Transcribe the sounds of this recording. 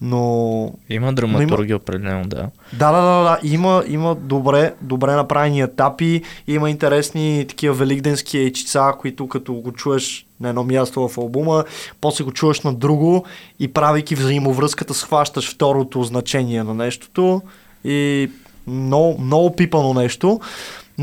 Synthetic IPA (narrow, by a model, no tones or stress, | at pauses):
noiməd̪ɾɐmnɐoituɾɡʲiopɾɛd̪ɛlɛ̰nod̪a̰ | d̪ad̪ad̪ad̪ad̪aʔiməiməd̪obɾɛd̪obɾɛnɐpɾavɛniɛt̪apiiməint̪ɛɾɛsnit̪ɐ̥k̟iəvɛliɡd̪ɛnskiɛjt͡ʃi̥t̪sakoit̪ʊkɐt̪ɔɡot͡ʃuɛʃnɐɛd̪ɔmʲjast̪ovɐfɐlˠbuməpɔslɛɡot͡ʃuvəʃnɐd̪ɾuɡoipɾavik̟ivzɐimovɾɤskət̪əsxvaʃt̪əʃft̪ɔɾot̪oznɐt͡ʃɛniɛnɐnɛʃt̪o̥t̪o | i | mnɔɡmnɔɡopipənonɛʃt̪o